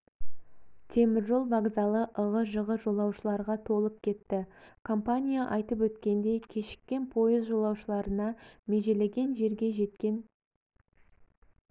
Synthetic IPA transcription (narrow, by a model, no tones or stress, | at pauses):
t̪ʰe̞mɪɾʒo̞lˠbɑʁzɑlˠəʔəʁəʒəʁəʒo̞lˠɑwʃəlˠɑɾʁɑt̪ʰo̞lˠəp̚kʲʰe̞t̪ːɪkʰo̞mpanʲijaʔɑjt̪əp̬wɵt̪kʲe̞nd̪e̞jkʲʰe̞ʃɪ̥kʲːe̞npʰo̞jəzʒo̞lˠɑwʃəlˠɑɾənɑme̞ʒe̞le̞ɡʲe̞nʒe̞ɾɡʲe̞ʒe̞t̪kʲe̞n